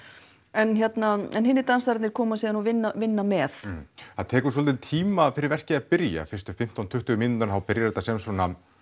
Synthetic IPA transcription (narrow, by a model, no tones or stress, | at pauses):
ɛnçjɛt̪naɛ̰nɦɪnːɪɾt̪ansaɾt̪nɪɾ̥kʰɔːmasiːðanɔvɪnːavɪnːamɛθaðt̪ʰɛːkʏs̬ɔlt̪ɪnt̪ʰiːmafɪɾɪɾvɛr̥cɪapɪɾja̰fɪr̥st̪ʏ̥fɪm̥t̪awnt̪ʰʏht̪ʏɣʏminʏnt̪anθawpɪɾjaɾt̪asɛjmsvɔːna